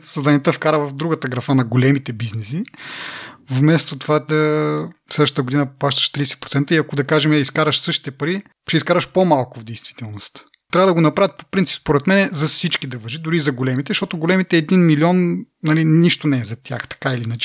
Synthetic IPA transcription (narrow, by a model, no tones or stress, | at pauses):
sɐd̪anʲɛt̪əfkaɾəvɐvd̪ɾuɡət̪ɐɡɾɐfanɐɡolɛmit̪ɛbiznɛsi | vmɛst̪ot̪ovaəfslɛd̪əʃt̪ət̪ɡod̪inəplˠaʃt̪ə̥ʃt̪ɾiɛsɛ̥pɾot̪ɛnt̪əiɐkod̪ɐkaʒɛmɛɐiskaɾɐʃsɤʃt̪i̥t̪ɛpɐɾi | ʃɛiskaɾɐʃpomalˠkʊvd̪ɛjst̪vi̥t̪ɛlˠnost̪ | t̪ɾavəd̪ɐɡonɐpɾavʲət̪po̥pɾint̪si̥pspoɾɛt̪mɛnɛzɐfsit͡ʃkid̪ɐvɐʒid̪ʊɾizɐɡolɛmit̪ɛʃt̪ɔt̪oɡolɛmit̪ɛːd̪inmiliɔnnɐliniʃt̪onɛːzɐt̪ʲʰja̰xt̪ɐ̥kailinat͡ʃi̥